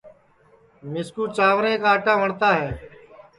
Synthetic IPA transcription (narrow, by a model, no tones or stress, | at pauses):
mɪskuːt͡ʃaːʋɾẽːkaːəʈãːʋəɳt̪aːɦɛː